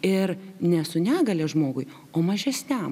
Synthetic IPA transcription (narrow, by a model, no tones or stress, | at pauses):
ɪɾnʲɛsʊnʲæːɡɐlʲeːʒmoːɡʊɪ | oːmɐʒʲɛsʲnʲæm